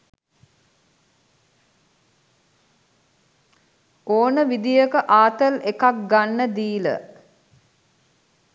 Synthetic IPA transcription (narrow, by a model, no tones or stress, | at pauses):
oːnəʋid̪ijəkəʔaːt̪əlekak̚ɡanːəd̪iːlə̰